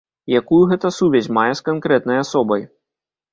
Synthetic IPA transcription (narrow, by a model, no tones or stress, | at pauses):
jakujuɣɛt̪ɐsuvʲɛzʲmajɛskankɾɛt̪nɐjasɔbɐj